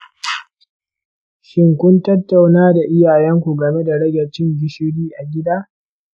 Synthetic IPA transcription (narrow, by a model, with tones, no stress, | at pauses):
ʃɪ˦ŋkʷʊ˦ntɐ˦tːa˨wnaː˦da˨ʔɪ˦jaː˨jɛ˦ŋkʷu˨ɡɐ˨me˦da˨ɽɐ˦ɡʲɐ˨t͡ʃɪ˦ŋɡʲɪ˨ʃɪ˦ɽiː˦ʔa˨ɡʲɪ˦daː˦